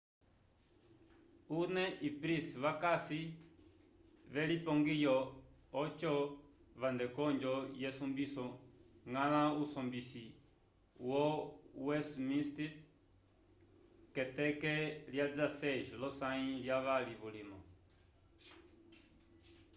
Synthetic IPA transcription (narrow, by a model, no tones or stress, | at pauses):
unɛʔipɾisβakasi | βɛlipɔŋɡijɔː | t͡ʃɔ | βand̪ɛkɔnd͡ʒɔjɛsumbisɔŋɡãnãusɔmbisi | wɔwɛsmĩst̪iɾ | kɛt̪ɛkɛljad͡zasɛʒɔlɔsãĩljaβaliβulimɔ